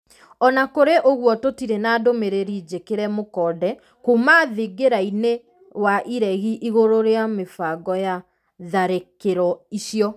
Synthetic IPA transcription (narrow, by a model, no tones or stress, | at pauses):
ɔnakoɾeʔoɣwɔtotiɾenaːdomeɾeɾid͡ʑekeɾɛmokɔːdɛ | komaːðeɡeɾaine | waʔiɾɛɣiʔiɣoɾoɾeamefaɡɔja | ðaɾekeɾɔiɕjɔ